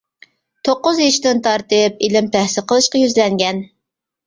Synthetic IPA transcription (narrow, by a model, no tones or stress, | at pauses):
t̪ʰoqːʊzjɑʃd̪ɪnt̪ʰɑɾt̪ɨp̚ilɪmpæhsɪqəlˠɨʃqɑjyzlɛŋɡʲɛn